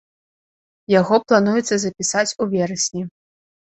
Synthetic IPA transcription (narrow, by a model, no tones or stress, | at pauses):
jaɣɔplˠanujɛt̪sːɐzɐpʲisat͡sʲuvʲɛɾɐsʲnʲi